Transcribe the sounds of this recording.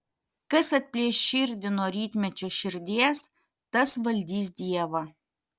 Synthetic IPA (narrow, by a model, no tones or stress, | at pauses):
kɐsɐt̪̚ʲpʲlʲiɛʃʲɪɾʲd̪ʲɪnoːɾʲiːt̪ʲmʲɛt͡ʃʲʊʃʲɪɾʲd̪ʲiɛs | t̪ɐsʋɐlʲd̪ʲiːs̬d̪ʲiɛʋɐ